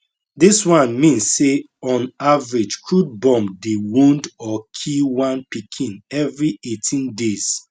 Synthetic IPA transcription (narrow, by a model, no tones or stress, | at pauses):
diswãnmĩnsːe | ɔ̃navɹid͡ʒkʰud̚bɔ̃mdewũndɔkʰiwãnpikʰĩnɛvɹietʰĩndez̥